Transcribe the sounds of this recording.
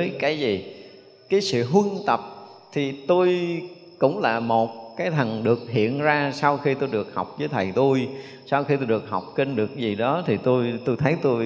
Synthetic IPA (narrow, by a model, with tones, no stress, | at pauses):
ə˨˦jkaː˨˦jzi˨˩ | kaː˨˦jsɨ̰˧˨ɦwɨ˧nt̪ə˨˩p̚t̪ʰi˨˩t̪o˧j | kʊ̰˧˥ŋ͡mlaː˨˩mo˨˩t̚kaː˨˦jt̪ʰə˨˩ŋɗɨ˨˩ək̚hḭ˧˨ənzaː˧sa˧wxi˧t̪o˧jɗɨ˨˩ək̚ha˨˩wk͡p̚vəː˨˦jt̪ʰə˨˩jt̪o˧j | saː˧wxi˧t̪o˧jɗɨ˨˩ək̚ɦa˨˩wk͡p̚ki˧nɗɨ˨˩ək̚zi˨˩ɗɔ˨˦t̪ʰi˨˩t̪o˧jt̪o˧jt̪ʰə˨˦jt̪o˧j